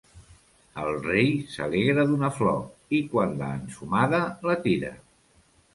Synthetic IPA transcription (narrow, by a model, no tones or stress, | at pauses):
əlˠrejsə̰leɣɾəðunəflɔ̰ikwanla̰ːnsumaðələt̪iɾə̰